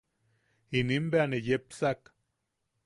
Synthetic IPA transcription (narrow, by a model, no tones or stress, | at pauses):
inimbeanejepsak